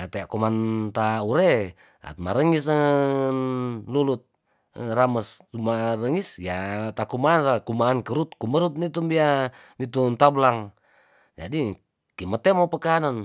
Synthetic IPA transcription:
at̪eaʔkumant̪auɾe | a̰t̪maɾəŋisnlulut̪̚ | ɾaməst̪umaɾəŋisjat̪akumaːnsakumaːnkəɾut̪̚kuməɾut̪̚nit̪umbia | nit̪unt̪ablaŋ | d͡ʒadi | kimət̪emopəkanan

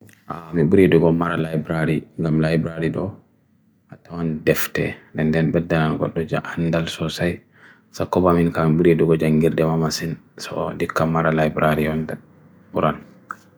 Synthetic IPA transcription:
ʔamiɓuɾiduɡɔmaɾalajbɾaɾiŋɡamlajbɾaɾiɗɔ | hatːamandɛftɛ̰dɛndɛnɓɛdːananɡɔ̰ɗːɔd͡ʒaandalsɔsaj | sakːɔbaminkamiɓuɾiduɡɔd͡ʒaŋɡiɾdɛmamasinsɔ̰dikːamaɾalajbɾaɾijɔnda | ɓuɾʔan

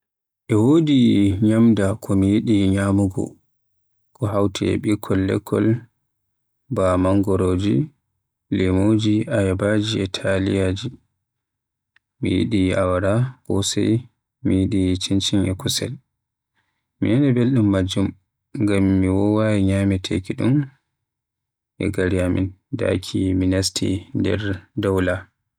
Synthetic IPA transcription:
ʔɛwoːdiɲamdakʰɔmijiɗiɲamuɡɔ̰ | kɔɦawtʰɛ̰ɛ̰ɓikʰːɔlːɛ̰kʰːɔ̰l | bamaŋɡɔɾoːd͡ʒi | lɛmod͡ʒiajabad͡ʒiɛtʰalḭjad͡ʒi | mḭjḭɗiawaɾakɔ̰sɛ̰j | mijiɗit͡ʃint͡ʃinɛkusɛ̰l | mḭnɛnɛbelɗumːad͡ʒːum | ŋɡamːiwɔwajiɲamɛtʰekiɗum | ʔɛ̰ɡaɾiamḭnda̰kʰiminastʰḭndɛ̰ɾdawla

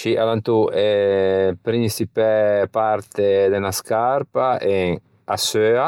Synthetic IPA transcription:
t͡ʃiʔalant̪uepɾinsipɛpaɾt̪ed̪enaskaɾpaʔeŋ | asøa

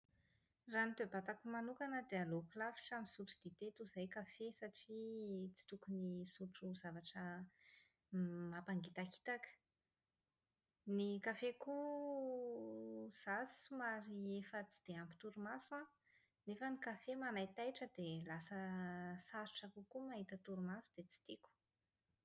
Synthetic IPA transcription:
ranit̪ebat̪akumanukanəd̪ealokulafi̥ʈ͡ʂamisuʈ͡ʂu̥d̪̥et̪et̪uzajkafesaʈ͡ʂit͡si̥t̪ukunisuʈ͡ʂuzavaʈ͡ʂə | mapaŋɡit̪aki̥t̪akə̥ | nikafeku | z̥ḁsumaɾiefət͡si̥d̪̥eampi̥t̪uɾumasua | nefənikafemanajt̪ajʈ͡ʂəd̪elasəsasu̥ʈ͡ʂakukumaɦit̪ət̪uɾumasu̥d̪̥et͡si̥t̪iku̥

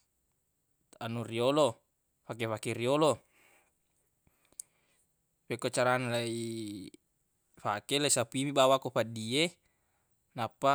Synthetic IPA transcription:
anuriolo | pak̬efakeriolo | pekot͡ʃaɾanalai | fakelaisapimibawakopadie | napːa

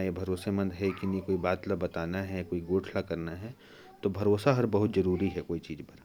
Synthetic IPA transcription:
jebʱɐɾoːsemə̃nd̪ɦɛkinikoːibaːt̪labɐt̪aːnaɦɛkoːiɡoːʈʰlakɐɾnaɦɛ | t̪obʱɐɾoːsaɦɐɾbɐɦʊt̪zɐɾuːɾiɦɛkoːit͡ʃiːzpɐɾ

